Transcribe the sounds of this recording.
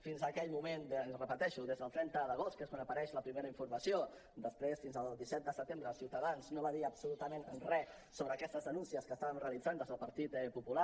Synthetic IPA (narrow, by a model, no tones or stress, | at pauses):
finzəkɛʎmumennzrəpət̪ɛʃuðezðəlˠt̪ɾɛnt̪əðəɣ̞ost̪keskwanəpəɾɛʃləpɾimeɾəiɱfuɾməsio | d̪əspɾesfinzəlˠd̪isɛt̪̚d̪əsət̪embɾəːlˠsiwt̪əðanznoβaðiəpsulut̪əmenənrɛ | soβɾəːkɛst̪əzðənunsiəskəst̪aβəmreəlid͡zanəzðəlˠpəɾt̪it̪pupula